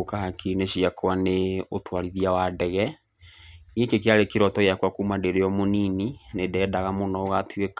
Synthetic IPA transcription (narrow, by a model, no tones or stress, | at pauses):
kahakineɕiakʰwaneotwaɾiðiawadɛɣɛ | niekekeaɾekeɾɔtɔejakwakuːmadeɾeɔmonininedɛːdaɣamonɔoɣatwek